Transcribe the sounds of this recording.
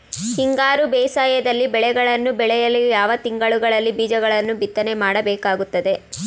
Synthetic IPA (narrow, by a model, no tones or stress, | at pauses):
hiŋɡaːɾubɛːsaːjɐd̪ɐlːibɛɭɛɡɐɭɐnːubɛɭɛjɐlːijaːʋɐt̪iŋɡɐɭuɡɐɭɐlːibiːd͡ʒɐɡɐɭɐnːubit̪ːɐne̞maːɽɐbɛːkaːɡut̪ːɐd̪e̞